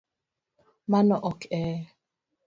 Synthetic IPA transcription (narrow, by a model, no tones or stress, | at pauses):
manɔʔɔkɛː